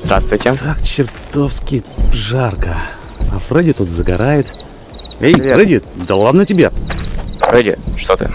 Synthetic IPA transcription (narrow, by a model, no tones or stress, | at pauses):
zd̪ɾa̰st̪vʊjtʲɪt̪akt͡ɕɪrt̪ofskʲɪjʐarkə | afrɛdʲɪt̪ut̪zəɡa̰ɾajɪt̪ | ejɾɛdʲɪd̪ɐlˠad̪nətʲɪbʲefɾɛdʲɪ̰ʂt̪ot̪ɨ̰